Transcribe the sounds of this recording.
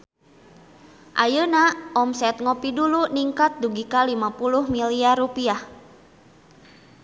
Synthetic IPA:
ʔajənaʔɔmsɛt̪̚ŋɔpiduluniŋkat̪̚duɡikalimapuluhmiliarupiah

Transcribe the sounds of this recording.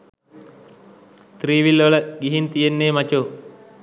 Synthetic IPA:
t̪riːʋilʋələɡiɦint̪ijenːeːmat͡ʃo

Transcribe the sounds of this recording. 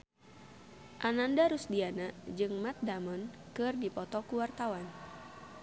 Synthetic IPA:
ʔanandaɾusdianaʔd͡ʒɨŋmat̪̚damɔnkɨrdipɔt̪ɔkuwart̪awan

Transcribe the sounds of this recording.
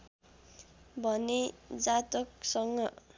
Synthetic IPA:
bʱʌned͡zat̪ok̚sʌŋɡʌ

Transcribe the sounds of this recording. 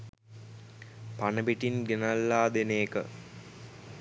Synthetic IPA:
panɐbiʈinɡenɐlːaːd̪eneːkə̰

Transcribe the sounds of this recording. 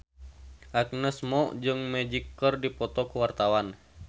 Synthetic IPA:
ʔak̚nəsmɔd͡ʒɨŋmɛd͡ʒikːərdipɔt̪ɔkuwart̪awan

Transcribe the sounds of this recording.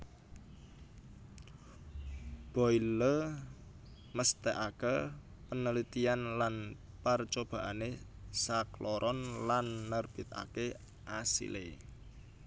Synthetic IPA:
b̥ɔilə | məst̪ɛʔakə | pənəlit̪ianlan | pərt͡ʃob̥a̤ʔane | saklɔɾʔɔnlanːərb̥i̤t̪̚a̰ke | ʔasḭlḛ

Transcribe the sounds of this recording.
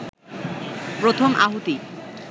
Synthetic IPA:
pɾot̪ʰomʔa̰ɦot̪i

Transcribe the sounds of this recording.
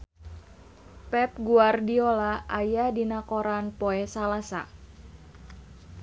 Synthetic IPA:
pɛp̚ɡuardiolaʔajadinakoɾanpoɛsalasa̰

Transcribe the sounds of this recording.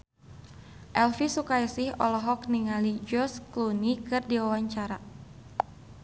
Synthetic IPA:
ʔɛlfisukajsɪhɔ̰lɔɦɔk̚niŋalid͡ʒɔsklunikɨrdiwawaɲt͡ʃaɾa

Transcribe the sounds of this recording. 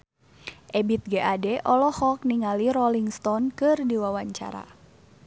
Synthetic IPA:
ʔɛbit̪̚ɡɛʔadɛʔɔlɔhɔk̚niŋaliɾɔliŋst̪ɔnkɨrdiwawaɲt͡ʃa̰ɾa̰

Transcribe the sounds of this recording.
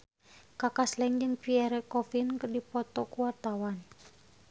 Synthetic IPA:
kakaslɛŋd͡ʒɨŋpiɛɾɛkɔfinkərdipɔt̪ɔkuwart̪awan

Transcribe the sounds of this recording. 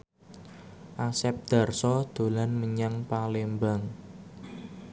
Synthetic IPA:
ʔasɛp̚d̪̥a̤rsɔd̪̥o̤lanməɲaŋpalembaŋ

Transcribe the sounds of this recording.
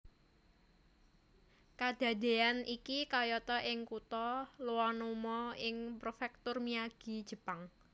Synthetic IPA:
kad̥a̤d̪̥e̤anikikajɔt̪ɔʔɪŋkut̪ɔluwɔnomɔɪŋpɾofɛk̚t̪ʊrmiaɡ̥i̤d̥ʒ̥ə̤paŋ

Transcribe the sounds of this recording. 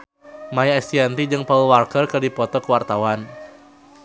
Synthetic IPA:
majaɛst̪iant̪id͡ʒɨŋpaulwarkərkədipɔt̪ɔkəwart̪awan

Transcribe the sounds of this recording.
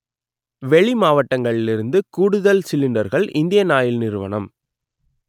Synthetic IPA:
ʋɛɭimaːʋɐʈːɐŋɡɐɭɪlɪɾɯnd̪ɯkuːɽɯðɐlsɪlːɪnɖɐɾɣɐɭʔɪnd̪ɪjɐnaːjɪlnɪɾɯʋɐ̰ɳɐ̰m

